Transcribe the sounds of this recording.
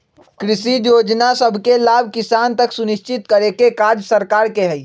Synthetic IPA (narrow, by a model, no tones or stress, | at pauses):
kɾisijod͡ʒnasəbʱkelabʱkisant̪əksuniʃt͡ʃit̪̚kəɾekekad͡ʒsəɾkaɾkeɦəi